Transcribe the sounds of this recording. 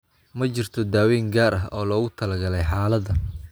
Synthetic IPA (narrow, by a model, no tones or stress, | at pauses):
mɐt͡ʃɪrt̪ʰɔd̪aːwɛːŋɡaːɾɐɦɔːlɔːɣʊt̪ʰɐlɐɡɐlɛjħaːlɐdɐ